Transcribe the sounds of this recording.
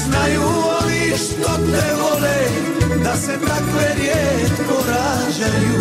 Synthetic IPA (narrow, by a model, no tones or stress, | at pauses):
znajuoniʃt̪opnɛvolɛ | d̪asɛt̪akɛɾjɛt̪koɾa | ʒɛu